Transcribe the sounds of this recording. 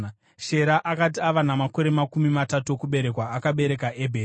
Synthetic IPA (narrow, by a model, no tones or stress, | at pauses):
ʃe̞ɾaʔakat̬iaʋanamako̞ɾe̞makumimatatuokuɓe̞ɾe̞kwaːkaɓe̞ɾe̞kaʔebʱe